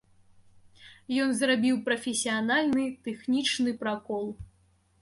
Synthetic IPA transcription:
jɔnzrabʲiwpɾɐfʲesʲijanalʲnɨt̪ɛxnʲit͡ʂnɨpɾakɔlˠ

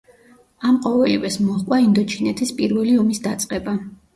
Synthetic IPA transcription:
amqʼɔvɛlivɛsmɔχkʼwaind̪ɔt͡ʃʰinɛt̪ʰispʼiɾvɛliɔmisd̪at̪sʼqʼɛba

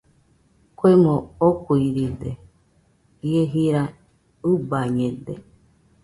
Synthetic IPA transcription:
kʷemookuiɾid̪e | ieɦiɾa | ɨbaɲẽd̪ḛ

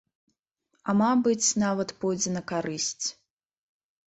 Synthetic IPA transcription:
ɐmabɨt͡sʲnavɐt̪pɔjd͡zʲɛnɐkaɾɨsʲt͡sʲ

